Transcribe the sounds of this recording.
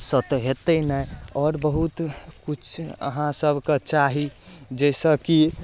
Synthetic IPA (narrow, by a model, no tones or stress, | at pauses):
sət̪ɦet̪ənəjɔːɾbəɦut̪kut͡ʃʰə̰ɦãsəbʱket͡ʃaɦid͡ʒɛsə̃ki